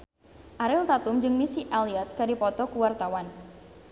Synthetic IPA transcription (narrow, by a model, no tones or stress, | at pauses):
ʔaɾɪlt̪at̪ʊmd͡ʒɨŋmisiʔaliat̪̚kadipɔt̪ɔkuwart̪awan